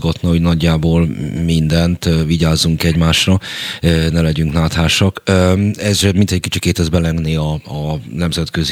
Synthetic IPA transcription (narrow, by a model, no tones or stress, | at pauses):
ɡɒt̪nɒɦo̞ɟnɒɟːaːboːlmind̪ɛnt̪viɟaːzːuŋkɛɟmaːʃrɒønɛlɛɟyŋknaːt̪haːʃɒkøɛzrɛmint̪ɛc̚kit͡ʃikeːt̪ɛzbɛlɛŋɡniɒːnɛmzɛt̪køz